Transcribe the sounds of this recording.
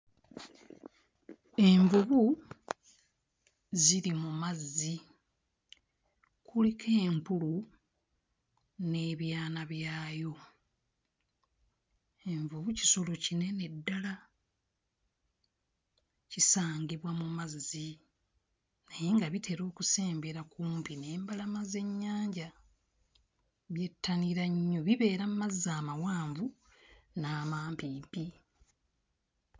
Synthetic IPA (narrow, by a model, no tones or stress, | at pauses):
e̞ɱvuβu | ziɾimumazi | kulikʰe̞ːmpulu | ne̞βjaːnaβjaːjo̞ | eɱvuβuci̥so̞lo̞cine̞ne̞dːala | cisaːŋɡiβwamumazi | najeŋɡaβitʰe̞ɾo̞ːkuse̞ːmbe̞ɾakuːmpine̞ːmbalamaze̞ɲːaːɲɟa | βje̞tːaniɾaɲːoβiβe̞ːɾammazːaːmawaːɱvu | naːmaːmpiːmpi